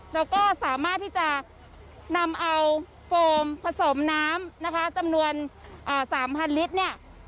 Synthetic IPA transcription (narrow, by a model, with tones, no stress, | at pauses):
lɛː˦˥wkɔː˥˩saː˩˦maː˥˩t̪ʰːiː˥˩t͡ɕa˨˩ | na˧mʔa˧w | foː˧mpʰa˧so˩˦mnaː˦˥mna˦˥kʰa˦˥t͡ɕa˧mnu˧ənʔɤː˨˩saː˩˦mpʰa˧nli˦˥t̪̚ni˥˩ɐ